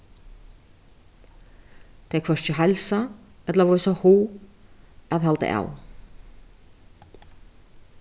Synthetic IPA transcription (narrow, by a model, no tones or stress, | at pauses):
t̪ʰɛkʰvœr̥ʏɦɛlsaɛt̪lavɔɾʏsahuː | aðɦalt̪ɪ̰ʔa̰ːw